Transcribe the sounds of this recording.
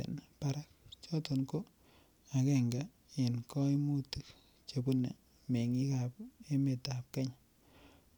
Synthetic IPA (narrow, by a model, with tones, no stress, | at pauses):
ḛ˨npa˦ɾa˦k̚t͡ʃɔ˦to˨nko˦ | a˨kɛ˨ŋɡa˨ | e˨nkɔ˦i˦mu˦ti˨k | t͡ʃebu˦nḛ˨ | me˨ŋi˦ka˨p̚e˦me˨ta˨p̚kɛ˦ɲ